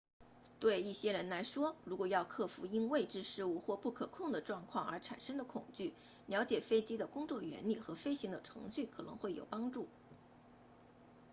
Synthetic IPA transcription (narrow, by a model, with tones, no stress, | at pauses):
t̪we˥˧ɪi˥˩ɕjɛ˥ɻə˧˥nla˧˥ɪʂwɔ˥ɻu˧˥kwɔ˨˩jɑ˥˧ʊkʰɤ˥˩fṵ˧˥i˥nwe˥˧ɪʈ͡ʂɻ̩˥˧ʂɻ̩˥˧u˥˧xwɔ˥˧pu˥˩kʰɤ˨˩kʰʊ˥˩ŋd̪ə˩ʈ͡ʂwɑ˥˧ŋkʰwɑ˥˩ŋə˞˧˥ʈ͡ʂʰa̰˨˩nʂə˥ŋd̪ə˨kʰʊ˨˩ŋt͡ɕy˥˩ | ljɑ˧˥ʊt͡ɕjɛ˨˩fe˥ɪt͡ɕi˥d̪ə˨kʊ˥ŋt͡swɔ˥˩ɥɛ̰˧˥nli˨˩xɤ˧˥fe˥ɪɕi˧˥ŋd̪ə˨˩ʈ͡ʂʰɤ̰˧˥ŋɕy˥˩kʰɤ˨˩nɤ̰˧˥ŋxwe˥˩ɪjo˨˩ʊpɑ˥ŋʈ͡ʂu˥˩